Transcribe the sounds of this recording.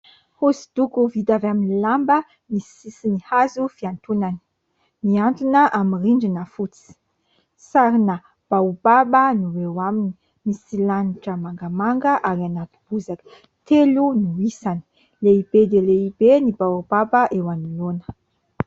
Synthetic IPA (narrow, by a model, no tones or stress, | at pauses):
husi̥d̪̥ukuvid̪avaminilambə | misi̥isinihazufiant̪unani̥ | miant̪unəʔamiriɳɖ͡ʐinəfut͡si̥ | saɾina | b̥aubabənuwewamini̥ | misilaniʈ͡ʂəmaŋɡəmaŋɡəʔaɾianat̪u̥b̥uzakə̥ | t̪elunuisani̥ | leibed̪eleibenibawubabəʔewanilonə̥